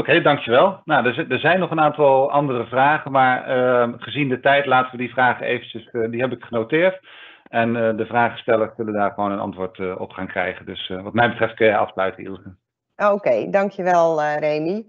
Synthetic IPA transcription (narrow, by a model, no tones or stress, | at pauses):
okejdɑŋkjəʋɛlˠnadədəɹzɛjnːɔχənaːntɑlˠɑndərəvraːχənmaːɹəχəzindətɛjtlaːtəʋədivraːχənejvəncəsdiɦɛbɪkχənowtɪːɹt | ɛndəvraːχə̥stɛləɹssɵləndaːɹχəʋownənɑ̰ntʋʊːɹtəɔ̰pχaːŋkrɛjχəndɵsʋɑtmɛjbətrɛft̚kɑ̰fslœɥtəɪ̰lˠsə | okejdɑŋkjəʋɛlˠrejni